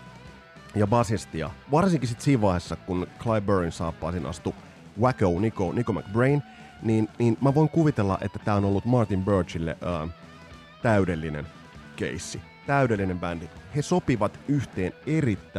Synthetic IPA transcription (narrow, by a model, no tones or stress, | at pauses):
jɑbɑsest̪iɑ̰ʋɑrsiŋkisit̪siːʋʋɑihesːɑkunkʰlɑjbøɹinsɑːpːɑ̰ːsinʔɑ̰st̪u | wækonikonikomæ̰kbrein | niːnniːnmæʋo̞iŋkuʋit̪elːɑ̰ʔḛt̪ːæt̪æːo̞no̞lːut̪mɑrt̪imbørt͡ʃilːḛʔəː | t̪æydelːinḛn | kḛisːi | t̪æydelːinembændihesopiʋɑt̪yht̪eːne̞rit̪ːæ